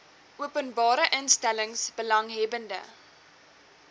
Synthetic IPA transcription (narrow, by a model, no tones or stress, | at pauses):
uəpənbɑːɾəʔənstæləŋsbəlɐŋɦɛbəndə̰